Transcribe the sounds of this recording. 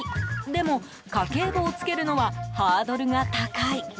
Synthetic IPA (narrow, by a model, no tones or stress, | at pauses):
d̪e̞mo̞ | kake̞ːɡoːt͡sɨ̥ke̞ɾɯ̟no̞βahaːd̪o̞ɾɯ̟ŋat̪akai